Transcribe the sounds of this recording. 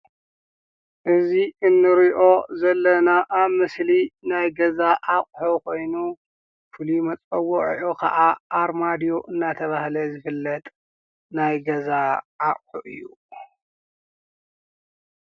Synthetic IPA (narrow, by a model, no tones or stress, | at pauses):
ʔɨziɨnːɨɾiʔo̞zɐlːɐnaʔaβmɨslinajɡɐzaʔaχʼħukʰo̞jnu | fɨlimɐt͡sʼɐwːoʕ̰ʔokʰɐ̰ʔaʔaɾmad̪ijoʔɨnːat̪ʰɐβahlɐzɨfɨlːɐt̪ʼ | najɡɐzaʔaʔʼħuʔɨ̰jːu